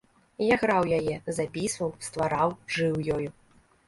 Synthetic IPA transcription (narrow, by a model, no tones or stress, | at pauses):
jaɣɾawjajɛzapʲisvɐwst̪vaɾawʐɨwjɔju